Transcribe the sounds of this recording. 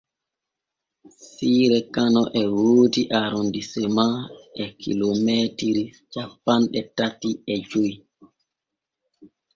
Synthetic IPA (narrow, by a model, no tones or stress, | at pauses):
siːɾɛkanɔʔɛwoːdiʔaɾondisɛmaɛkʰḭlomɛtiɾit͡ʃapːanɗɛtatiɛd͡ʒoj